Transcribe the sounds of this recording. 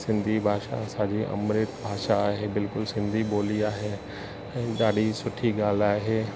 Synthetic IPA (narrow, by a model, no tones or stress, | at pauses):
sɪ̃nd̪ʱibʱaːʃa̰sãːd͡ʑiʔɐ̰mɾɪt̪bʱaːʃaːɦebɪlkʊlsɪ̃nd̪ʱiɓoːliaːɦe | ɛ̃ːɗaːɗisʊʈʰiɡaːl̤aːɦeː